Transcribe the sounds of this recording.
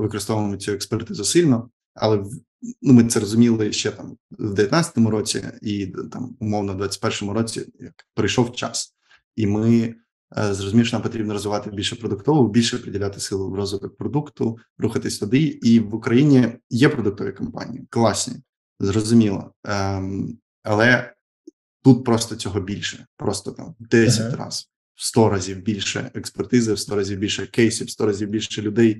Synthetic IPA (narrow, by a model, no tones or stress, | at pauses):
ʋɪkɔɾɨst̪ɔʋmɔtʲiɛkspɛrt̪ɪzɐsɪlʲnɔ | ɐ̰lˠɛ | numɪt̪sɛɾɔzʊmʲilˠɪʃt͡ʃɛt̪ɑmwd̪eʋʲjɐt̪nat͡sʲsʲɪ̥t̪ɔmʊɾɔt͡sʲḭit̪ɑmʊmɔwnɐd̪ʋɑt͡sʲɐ̥tʲpɛrʃɔmʊɾɔt͡sʲijɐkpɾɪjʃɔwt͡ʃɑ̰s | imɪ | zɾɔzʊmʲiʃnampɔt̪ʲɾʲibnɾɔzʋɪʋɑt̪ɪbʲilʲʃɛpɾɔd̪ʊkt̪ɔʋʊʊbʲilʲʃɛɐpɾɪdʲɪlʲat̪ɪ̥sɪlˠʊrɔzʋɪt̪ɔk̚pɾɔd̪ukt̪ʊ | ɾuxɐt̪ɪsʲt̪ɐd̪ɪiʋʊkɾɐjinʲijɛpɾɔd̪ʊk̚t̪ɔʋʲḭkɐmpɑ̰nʲḭjiklˠɑsʲnʲḭ | zrɔzʊmʲilˠɔ̰ | ɐlˠɛ | t̪ut̪̚pɾɔst̪ɔt͡sʲɔɦɔbʲilʲʃɛpɾɔst̪ɔt̪ɑ̰md̪ɛsʲɐtʲrɑ̰z | wst̪ɔɾazʲiwbʲilʲʃɛ̰ekspɛrt̪ɪzɪwst̪ɔɾazʲiwbʲilʲʃɛkɛjsʲiwst̪ɔɾɐzʲiwbʲilʲʃʃɛlʲʊd̪ɛj